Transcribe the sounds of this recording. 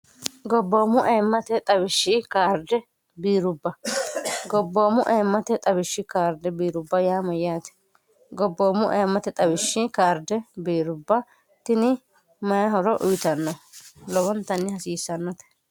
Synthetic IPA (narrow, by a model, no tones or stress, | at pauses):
ɡɔbːoːmʊʔɐjmːɐt̪ɛt̪ʼɐbɪʃːɪkaːɾd̪ɛ | biːɾʊbːɐ | ɡɔbːo̞ːmʊʔɐjmːɐt̪ɛt̪ʼɐbɪʃːɪkaːɾd̪ɛbiːɾʊbːɐjaːmɐjːaːt̪ɛ̥ | ɡɔbːoːmʊʔɐjɛmːɐt̪ɛt̪ʼɐbɪʃːɪkaːɾd̪ɛbiːɾʊbːɐ | t̪ɪnɪ | mɐjɐɦɔɾɔʔʊjɪt̪ɐnːɔlɔbɔnt̪ːɐnːɪhɐsiːsːɐnːɔt̪ɛ̥